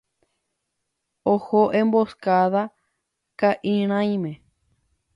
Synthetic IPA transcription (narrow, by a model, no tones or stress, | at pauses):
ohoʔẽmboskaða | kaʔĩɾ̃ãĩmẽ